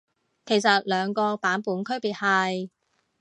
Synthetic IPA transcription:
kʰe˨˩jsɐ˨t̚lœː˨˧ŋkɔː˧paː˨˥npuː˨˥nkʰɵ˥ɥpiː˨˩t̚hɐ˨j

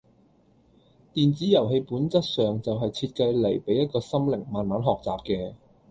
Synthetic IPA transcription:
t̪iː˨nt͡siː˨˥jɐ˨˩wɦe˧jpuː˨˥nt͡sɐ˥t̚sœː˨ŋt͡sɐ˨wɦɐ˨jt͡sʰiː˧t̚kɐ˧jle˨˩jpe˨˥jːɐ˥t̚kɔː˧sɐ˥mlɪ̰˨˩ŋmaː˨˩nmaː˨˥nɦɔː˨k̚t͡saː˨˩p̚kɛː˧

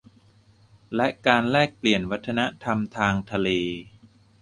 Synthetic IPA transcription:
lɛ˦˥ʔkaː˧nlɛː˥˩k̚pli˨˩ənwa˦˥t̪ʰːa˧na˦˥t̪ʰa˧mt̪ʰaː˧ŋt̪ʰa˧leː˧

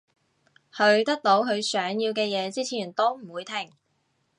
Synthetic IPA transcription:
hɵ˨˧ɥt̪ɐ˥k̚t̪o˨˥wkʰɵ˨˧ɥsœː˨˥ŋjiː˧wkɛː˧jɛː˨˧t͡siː˥t͡sʰiː˨˩nt̪o˥wm̩˨˩wuː˨˧jt̪ʰɪ˨˩ŋ

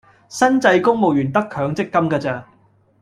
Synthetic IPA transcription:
sɐ˥nt͡sɐ˧jkʊ˥ŋmo˨w̚jyː˨˩nt̪ɐ˥kʰœː˨˧ŋt͡sɪ˥kːɐ˥mkaː˧t͡saː˧

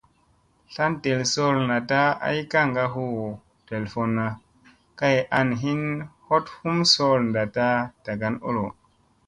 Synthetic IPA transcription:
ɬa˦nte˨lso˦ɾna˨ta˦a̰˦jka˦˨ŋɡa˧ɦu˦ | te˨lfo˨nːa˨ | ka˦jʔa˧nɦi˦nho˦thu˦mso˦lnda˨ta˦d̥a˨ɡa˨no̰˦lo˨

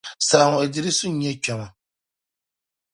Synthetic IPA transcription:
sa˨a˨ŋɔ˨ɛ˨di˦ɾi˦sʊ˦ɛ˦t͡ʃᶣɛ˨ma˨

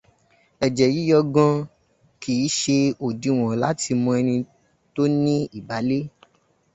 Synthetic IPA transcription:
ɛ˨d͡ʒɛ˨ji˨˦jɔ˧ɡɔ̃˧ | kʰi˨˦ʃe˧o˨di˨w̃ɔ̃˨la˨˦ti˧mɔ̃˧ɛ˧nĩ˧ | to˦nĩ˦i˨ba˨˦le˦

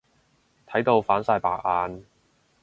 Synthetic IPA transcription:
t̪ʰɐ˨˥jt̪o˧wfaː˨˥nsaː˧jpaː˧k̚ʔaː˧n

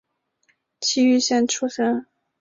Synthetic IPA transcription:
t͡ɕʰi˥y˥˧ɕjɛ˥˧nʈ͡ʂʰu˥ʂə˥n

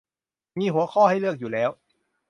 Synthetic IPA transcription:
miː˧˥ɦu˩˦ɐxʰɔː˥˩ha˥˩jlɯ˥˩ək̚juː˨˩lɛː˦˥w

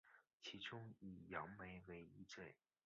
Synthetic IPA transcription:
t͡ɕʰi˧˥ʈ͡ʂʊ˥ŋi˨˩jɑ˧˥ŋme˧˥ɪwe˧˥ɪi˥ʈ͡ʂwe˥˩ɪ

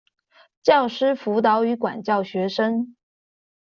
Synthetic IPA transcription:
t͡ɕjɑ˥˩ʊʂɻ̩˥fu˧˥t̪̬ɑ˧˥ʊy˧˥kwa̰˨˩nt͡ɕjɑ˥˩ʊɕɥɛ˧˥ʂə˥ŋ

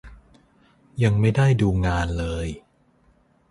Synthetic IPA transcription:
ja˧ŋma˥˩jda˥˩jduː˧ŋaː˧nlɤː˧j

